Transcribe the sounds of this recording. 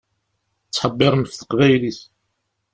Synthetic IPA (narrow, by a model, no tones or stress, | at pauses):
t͡sːħəbːɪɾˤmfθə̥qʁæjlis